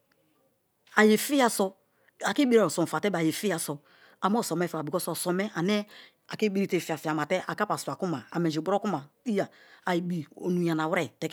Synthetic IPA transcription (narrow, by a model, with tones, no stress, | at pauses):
a˨je˨fi˦ja˨sɔ˦ | a˨ki˦bi˦ɾa˨ɾo˨sɔ˨m˨fa˨tɛ˦ba˨je˨fi˦a˨sɔ˨ | a˨mɔ˦˨sɔ˨mɛ˦fi˦a˨i˨kɔ˦sɔ˨sɔ˨mɛ˦ʔa˨ne˦ | a̰˨ki˦bi˦ɾi˦te˨fi˨a˨fi˨a˨ma˨tɛ˦ʔa˨ka˦pa˨su˨a˨ku˦ma˨a̰˨mɛ˨d͡ʒi˨ɡ͡bɾɔ˦ku˦ma˨i˦ja˨a˨ji˨bi˨o̰˨nu˨ja˨na˨wɾɛ˦tɛ˨k